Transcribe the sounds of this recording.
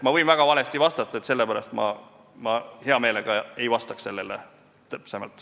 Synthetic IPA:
mɑvɤ̞jnvæɡ̥ɑvɑle̞st̪ivɑst̪ɑt̪ːˑɑe̞t̪se̞lːepæɾɑ̰st̪mɑ̰ | mɑhe̞ɑme̞ːleɡ̥ɑe̞jvɑst̪ɑkse̞lːelḛ | t̪psɑjmɑ̰lt̪ːˑ

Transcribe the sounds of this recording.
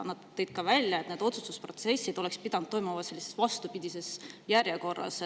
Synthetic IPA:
nɑd̪ːɤ̞jd̪̥̚kɑvælʲjɑe̞t̪ned̪o̞t̪sust̪uspro̞t̪se̞sːid̪o̞le̞kspid̪̥ɑnud̪̚o̞jmumɑse̞lʲːise̞̥svɑst̪upid̪̥ise̞sjærjeko̞rːɑ̰s

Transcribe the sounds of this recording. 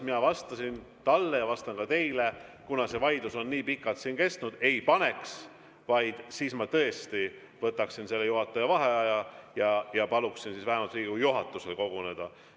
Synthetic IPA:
minɑvɑst̪ɑsin | t̪ɑlːe̞jɑvɑst̪ɑnkɑt̪e̞jle̞kunɑse̞vɑjd̪̥uso̞nːiːpikːˑɑlt̪siːnke̞st̪nud̪̥e̞jpɑne̞ks | vɑjd̪̥siːsmɑt̪ɤ̞e̞st̪i | vɤt̪ːˑɑksinse̞lːejuɦɑt̪ːˑɑjɑvɑɦe̞ɑjɑjɑjɑpɑluksinsiːsvæɦemɑlt̪riːɡ̥ujuɦɑt̪ːˑuse̞lko̞ɡ̥une̞d̪̥ɑ̰

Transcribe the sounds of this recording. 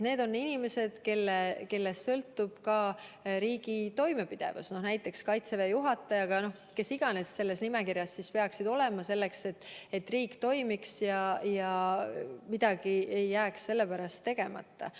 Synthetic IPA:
ne̞ːd̪o̞nːinime̞se̞d̪̥ke̞lːeke̞lːe̞st̪sɤlt̪ːˑub̥kɑɾiːɡ̥it̪o̞jme̞pid̪̥e̞̰vṵsno̞hnæjt̪ːˑe̞kskɑjt̪se̞vejuɦɑt̪ːˑɑjɑɡ̥ɑno̞h | ke̞siɡ̥ɑne̞sːe̞lːe̞snime̞kiɾjɑsːispe̞ɑksid̪̥o̞le̞mɑse̞lːe̞kse̞t̪ːe̞t̪ːriːkt̪o̞jmiksjɑjɑ | mid̪̥ɑɡ̥ie̞jːæːksːe̞lːe̞pæɾɑst̪ːe̞ɡ̥e̞mɑ̰t̪ːɑ̰

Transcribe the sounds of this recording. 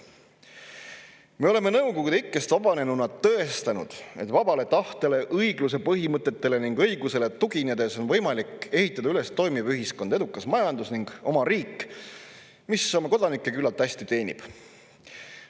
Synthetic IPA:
meo̞le̞me̞nɤwkokud̪eikːˑest̪ɑbɑne̞nunɑt̪ːɤest̪ɑnṵd̪̥e̞̰t̪vɑb̥ɑle̞t̪ɑht̪e̞le̞ʔɤjɡlus̬e̞pɤɦimɤt̪ːˑe̞t̪ːe̞le̞niŋɡ̥ɤjɡuse̞le̞t̪uɡ̥ined̪̥e̞so̞nvɤ̞jmɑlike̞ɦit̪ːˑɑd̪ɑyle̞st̪o̞jmivyɦisko̞nd̪ɑe̞d̪ukːˑɑsmɑjɑnd̪usniŋɡ̥o̞mɑɾiːkːˑ | misomɑko̞d̪̥ɑnikːˑe̞kylːɑlt̪ːæsʲt̪it̪e̞ːnʲḭb̥

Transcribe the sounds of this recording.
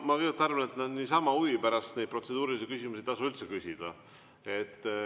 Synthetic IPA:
mɑkɤjut̪ːˑɑrvɑnet̪nænːisɑmɑuipæɾɑst̪nejd̪̚pro̞t̪se̞d̪uːɾilisekysimusʲiet̪ɑsuylt̪se̞kysʲid̪̥ɑ̰ | e̞t̪ˑː

